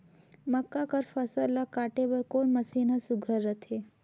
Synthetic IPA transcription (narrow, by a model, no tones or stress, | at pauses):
mɐkːakɐɾfɐsəlːakaːʈebɐɾkoːnmɐsiːnasʊɡʱəɾːət̪ʰeː